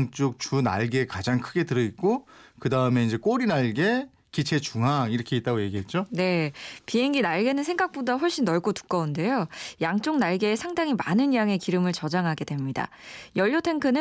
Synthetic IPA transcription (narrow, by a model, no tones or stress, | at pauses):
ŋt͡ɕ͈ok̚t͡ɕuna̰ɭɡe̞kad͡ʑaŋkʰɯɡe̞tɯɾʌit̚k͈okɯdaɯme̞ind͡ʑek͈oɾinaɭɡe̞ | kit͡ɕʰe̞t͡ɕuŋɦaiɾʌkʰe̞it̚t͈aɡoje̞ɡiɦe̞t̚t͡ɕ͈one̞piɦe̞ŋɡinaɭɡe̞nɯnsʰe̞ŋɡak̚p͈odaɸwʌɭɕ͈inːʌɭɡotu̥k͈ʌunde̞jojaŋt͡ɕ͈oŋ̚naɭɡe̞ːsʰaŋdaŋimanɯnjaŋe̞kiɾɯmɯɭt͡ɕʌd͡ʑaŋɦaɡe̞dwe̞mɲida̰ | jʌʎːotʰe̞ŋkʰɯnɯ